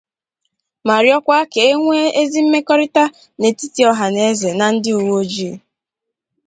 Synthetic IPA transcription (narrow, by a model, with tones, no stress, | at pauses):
ma˨ɾjɔ˦kʷa˦ke˨e˦ŋʷe˦e˦zi˦m̩˦me˦kɔ˦ɾɪ˦ta˦ | ne˨ti˦ti˦ɔ˦ɦa˨ne˨˦ze˨na˨n̩˦dɪ˦u˨wo˦d͡ʒi˦˨